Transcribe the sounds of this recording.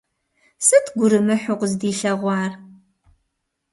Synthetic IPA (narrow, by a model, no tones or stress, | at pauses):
sɨtʰɡʷʊɾɨmɨħʊqʷʊzdiːɬɐʁʷɑːr